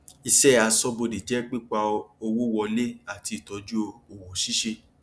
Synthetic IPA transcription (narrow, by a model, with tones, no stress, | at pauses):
i˧sɛ˦˨a˧sɔ˦bo˧di˨d͡ʒɛ˦k͡pi˦k͡pa˧o˧wo˦wɔ˧le˦a˦˨ti˨˧i˨tɔ˨˦d͡ʒu˦o˧o˨wɔ˨ʃi˦ʃe˧